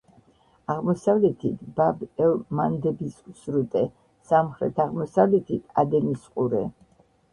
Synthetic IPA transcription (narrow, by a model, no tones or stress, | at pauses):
aʁmɔsavlɛt̪ʰit̪ʰbabɛlmand̪ɛbissɾut̪ʼɛ | samχɾɛ̰t̪ʰaʁmɔsavlɛt̪ʰit̪ʰad̪ɛnisqʼuɾɛ̰